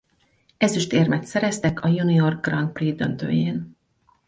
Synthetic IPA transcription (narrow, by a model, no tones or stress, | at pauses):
ɛzyʃt̪eːrmɛt̪sɛɾɛst̪ɛkʰɒjunio̞rɡɡrɒnt̪̚priːd̪ønt̪ø̰ːjeːn